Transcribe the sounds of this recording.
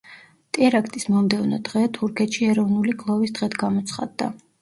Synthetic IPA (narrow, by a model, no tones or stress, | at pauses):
t̪ʼɛɾakʰt̪ʼismɔmd̪ɛvnɔ̰d̪ʁɛt̪ʰuɾkʰɛt̪ʃiɛɾɔvnuliɡlˠɔvisd̪ʁɛt̪ʰɡamɔt̪sʰχa̰d̪ːa̰